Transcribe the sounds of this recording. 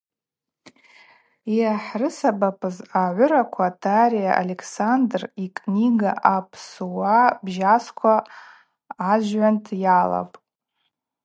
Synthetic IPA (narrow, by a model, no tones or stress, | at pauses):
jaħrɨsabapʰʼɨzaʕʷʊɾakʷʰaːtʰaɾijaʔa̰lekʰsandrikʼniɡa̰ʔapʰsuwabʒaskʷʰaː | ʒʕantʰjala̰pʼ